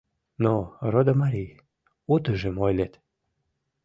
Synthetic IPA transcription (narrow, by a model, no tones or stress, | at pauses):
norod̪əmaɾʲij | ut̪əʒəmojlet̪